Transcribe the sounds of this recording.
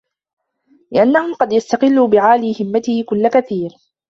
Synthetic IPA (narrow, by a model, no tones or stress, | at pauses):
lɪʔanːahʊmqɑd̪jast̪aqɪlːuːbɪʕaːliːhɪmːat̪ɪhɪkʊlːakaθiːɾ